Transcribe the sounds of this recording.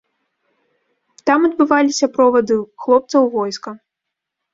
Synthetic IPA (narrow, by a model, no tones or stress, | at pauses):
t̪amɐd̪̚bɨvalʲisʲɐpɾɔvɐd̪ɨxlˠɔp̚t̪sɐwvɔjskɐ